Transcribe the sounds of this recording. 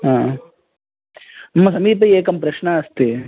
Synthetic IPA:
ɦãː | mːɐsɐmiːpɐeːkɐmpɾɐʃnɐɐst̪i

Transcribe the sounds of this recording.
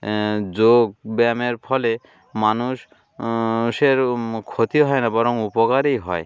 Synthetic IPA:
d͡ʑoɡ̚bɛmeɾpʰɔle | manuʃ | ʃeɾkʰot̪iɦɔenabɔɾɔŋupokaɾejɦɔe

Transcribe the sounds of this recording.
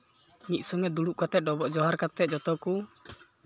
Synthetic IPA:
miʔsɔŋɛd̪uluʔkat̪ɛdɔbɔʔd͡ʒɔɦaɾkat̪ɛd͡ʒɔt̪ɔku

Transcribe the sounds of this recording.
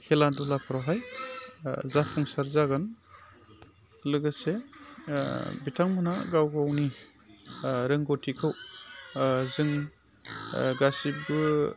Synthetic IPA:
kʰeladulapʰaɾawɦaj | zapʰɔŋsaɾzaɡɯn | lɯɡɯse | bitʰaŋmɯna̰ɡawɡawni | ɾɯŋɡotʰikʰɯw | zɯŋ | ɡasibɯ

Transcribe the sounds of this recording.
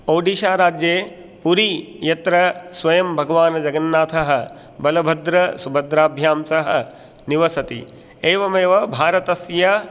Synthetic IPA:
oːɖiːʃaːɾaːd͡ʒjeː | puɾijɐt̪ɾɐsʋɐjɐmbʱɐɡɐʋaːnɐd͡ʒɐɡɐnːaːt̪ʰɐɦɐ̆ | bɐlɐbʱɐd̪ɾɐsubʱɐd̪ɾaːbʱjaːmsɐɦɐ̆ | niʋɐsɐt̪ḭ | eːʋɐmeːʋɐbʱaːɾɐt̪ɐsjɐ

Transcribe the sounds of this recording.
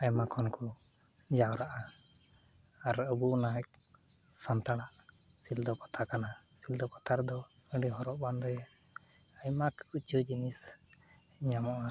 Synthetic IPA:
aɲmakʰɔnkɔ | d͡ʒawɾaʔa | aɾəbunaɛk̚ | sant̪aɽaʔ | sild̪ɔkɔt̪ʰakanasild̪ɔkɔt̪ʰaɾd̪ɔ | əɖiɦɔɾɔʔband̪ɔjɛ | aɲmakut͡ʃud͡ʒinis | iɲamɔʔa

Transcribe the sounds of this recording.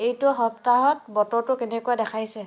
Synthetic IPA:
ejtʊɦɔp̚taɦɔtbɔtɔɹtʊkenɛkuadɛkʰajsɛ

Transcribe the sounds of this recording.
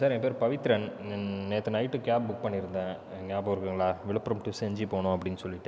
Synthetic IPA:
saːɾɛ̃ŋɡɐpeːɾpɐʋɪt̪ːɪɾɐnneːt̪ːɯnɐɪʈːɯkaːp̚bʊk̚pɐɳːɪɾɯnd̪ãː | ŋaːpoːɾkɯŋɡɐɭaːʋɪɭɯpːɾɐmʈɯsɛɲd͡ʒipoːɳʊ̃ɐpːɐɽɪnːɯsɔlːɪʈːɯ

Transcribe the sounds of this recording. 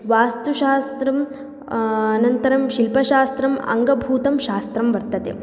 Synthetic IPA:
ʋaːst̪uʃaːst̪ɾɐm | ɐnɐnt̪ɐɾɐmʃilpɐʃaːst̪ɾɐmɐ̰ŋɡɐbʱuːt̪ɐmʃaːst̪ɾɐmʋɐɾt̪ɐt̪ḛ

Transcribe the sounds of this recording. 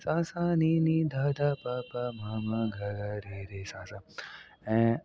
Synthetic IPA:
sãːsaninid̪aːd̪aːpaːpamaːmɐɡʱɐɡaɾiɾesãːsa | ɛ̃

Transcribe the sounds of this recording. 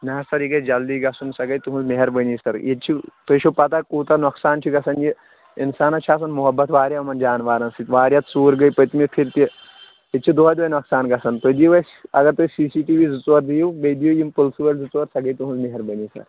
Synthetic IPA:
nɐɐsɐɾikɐd͡ʒɐld̪iːɡɐsunsɐɡɐjt̪uɦũnzmeɦɐɾbəniːsɐɾjet͡ʃʰit̪oʃʰopɐt̪akuːt̪ɐnɐksaːnt͡ʃʰiɡɐsɐnji | insaːnɐt͡ʃʰaːs̬ɐnmuɦɐbːɐt̪ʰʋaːɾʲjamɐnd͡ʒaːnʋaːɾɐnsit̪ʋaːɾjɐt̪suːɾɡɐjpət̪mipʰiɾt̪i | et͡ʃʰid̪oːjd̪oɐːjnɐksaːnɡɐsɐnt̪od̪iʋɐsɐɡɐɾt̪osiːsiːʈiːʋiːzut͡sʋɐɾd̪ijubɐd̪ijojimpulsuʋɐlʲzut͡sʋɐɾsɐɡɐjt̪uɦũnzmeɦɐɾbɐnisɐ̰ɾ

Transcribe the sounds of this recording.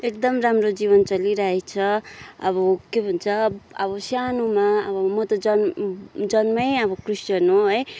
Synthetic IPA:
ek̚d̪ʌmramrod͡ziβʌnt͡sʌliɾʌɦet͡sʰʌʌβʌkebʱʌnt͡sʰʌʌβʌsanumaʌ̰bʌmʌt̪ʌd͡zʌnd͡zʌnmʌjʌbʌkrist͡ʃʌnoɦʌj

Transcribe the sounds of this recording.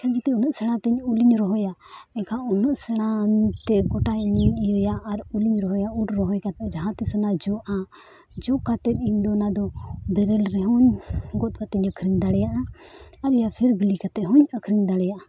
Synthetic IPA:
kʰad͡ʒit̪ɛunɔʔsɛɽ̃ãt̪ɛɲuliɲɾɔɦɔjaɛkaunɔʔsɛɽ̃at̪ɛɡɔʈajniijɔjaːɾuliɲɾɔɦɔjauʈɾɔɦɔjkat̪ɛd͡ʒaɦãt̪ɛsɔnad͡ʒɔʔa | d͡ʒɔkat̪ɛt̪̚iɲd̪ɔnad̪ɔbɛɾɛlɾɛɦɔɲɡɔt̪̚kat̪ɛɲəkʰɾiɲd̪aɽɛjaʔaaɾɛjapʰɛɾbilikat̪ɛɦɔɲəkʰɾiɲd̪aɽɛjaʔa

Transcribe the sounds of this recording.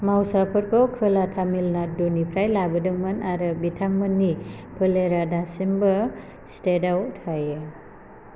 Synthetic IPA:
mawsapʰɯɾkʰɔwkʰɯlatʰamilnadunipʰɾajlabɯdɯŋmanaɾɯbitʰaŋmɯnːipʰɯleɾadasimbɯ | stedawtʰajɯ

